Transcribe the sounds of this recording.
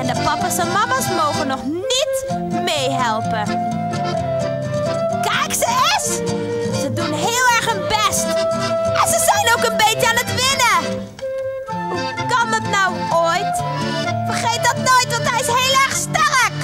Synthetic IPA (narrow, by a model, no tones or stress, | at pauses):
ɛndəpɑpasɛnmɑmasmowχənɔχ | nit | mejɦɛlˠpə | kɛjksəɪs | sədunɦɪːlˠɛɹχənbɛstʔɛnzəzɛjnowkənbejtəaːnətʋɪnə | ɦu | kɑndɑtnaw | oːjt | fərχejt̚dɑtnoːjtʋɑntɦɛjɪsɦejlˠɛrχstɛrək